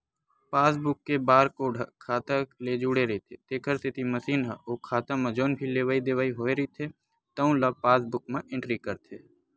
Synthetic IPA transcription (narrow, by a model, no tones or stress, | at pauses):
paːs̬bʊkːebaːɾkoːɖʱɐkʰaːt̪akled͡ʒuːɽeɾɐit̪ʰet̪eːkʰəɾt̪et̪iməsiːnɦa̰oːkʰaːt̪ãmɐ̃d͡ʒoːnbʱileːʋaːid̪eʋaːiɦoːeɾəit̪ʰe | t̪ɐũlapaːs̬bʊk̚mẽʔɪ̃ɳʈɾikəɾt̪ʰeː